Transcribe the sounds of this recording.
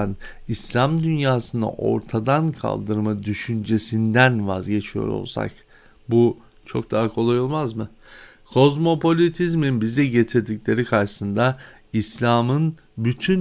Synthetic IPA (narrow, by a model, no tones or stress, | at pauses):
n | islʲamd̪ynjaːsɯna̰ʔo̞̰ɾt̪ʰad̪ankʰa̰lˠd̪ɯɾmad̪yʃynd͡ʒe̞sind̪ænva̰zɟe̞t͡ʃʰijo̞̰ɾo̞̰lˠsa̰k | bu | t͡ʃʰo̞̰k̚d̪aːakʰo̞lˠajolˠmazmɯ | kʰo̞zmo̞pʰo̞lʲit̪ʰizminbizd̪ɛɟe̞t̪ʰiɾd̪iclʲe̞ɾikʰaɾʃɯ̥sɯnd̪a | islʲaːmɯn | byt̪ʰyn